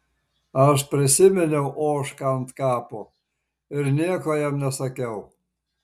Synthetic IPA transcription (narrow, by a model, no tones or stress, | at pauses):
ɐʃpʲɾʲɪsʲɪmʲɛnʲɛʊʔoːʃkɐnt̪kɑːpoː | ɪɾnʲiɛkoːjɛmnʲɛsɐkʲɛʊ